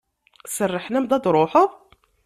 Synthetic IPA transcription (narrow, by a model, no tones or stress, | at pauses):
sərˤːəħnæmd̪ɑd̪ɾˤʊħʊ